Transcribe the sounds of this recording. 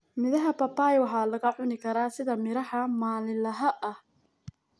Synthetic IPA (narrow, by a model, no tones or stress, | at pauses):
mɪðɐɦɐpɐpaːjwɑħaːlɐɣɐʕʊnɪkʰɐɾaːsɪðɐmɪɾɐħɐmaːlɪlɐɦɐʔɐh